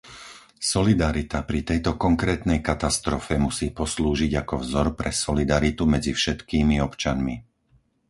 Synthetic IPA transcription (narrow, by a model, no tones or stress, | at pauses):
sɔlid̪aɾit̪apɾit̪ɛjt̪ɔkɔŋkɾɛːt̪nɛjkat̪ast̪ɾɔfɛmusiːpɔsluːʒiɟakɔvzɔɾpɾɛsɔlid̪aɾit̪umɛd͡zifʃɛt̪kiːmiɔpt͡ʃanmi